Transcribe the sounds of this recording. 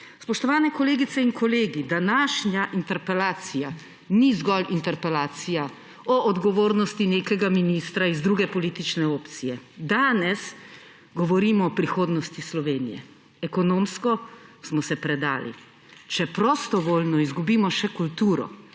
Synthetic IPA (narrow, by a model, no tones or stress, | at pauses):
spɔʃt̪ɔʋaːnɛkɔleːɡit̪sɛinkʰɔleːɡid̪anaːʃɲjaʔint̪ɛɾpɛlaːt̪sija | nizɡɔlint̪ɛɾpɛlaːt̪sija | ɔʔɔd̪ɡɔʋoːɾnɔst̪ineːkɛɡaminist̪ɾaizd̪ɾuːɡɛpɔliːt̪it͡ʃnɛoːpt̪sijɛd̪aːnɛs | ɡɔʋɔɾiːmɔːpɾixoːd̪nɔst̪islɔʋeːnijɛ̰ | ɛkɔnoːmskɔsmɔsɛpɾɛd̪a̰ːlḭ | t͡ʃɛpɾɔst̪ɔʋoːlnɔizɡubiːmɔʃɛkult̪uːɾɔ̰